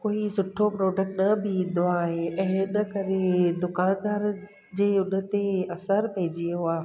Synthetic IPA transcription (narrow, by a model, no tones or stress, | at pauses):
koːisʊʈʰopɾoːɖək̚ʈnɐbʱɪd̪oaːɦeɛ̃ːɪnɐkɐɾed̪ʊkaːnd̪aːɾ | d͡ʑeːʊnə̆t̪eɐsəɾpɐɦɪ̃d͡ʑioaː